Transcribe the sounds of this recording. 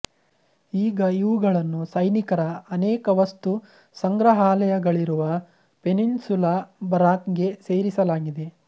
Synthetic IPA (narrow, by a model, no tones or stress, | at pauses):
iːɡɐiʋuɡɐɭɐnːusɐjnikɐɾɐɐnɛːkɐʋɐst̪u | sɐŋɡɾɐɦaːlɐjɐɡɐɭiɾuʋɐ | pe̞ninsulabɐɾaːkɡe̞se̞ːɾisɐlaːɡid̪e̞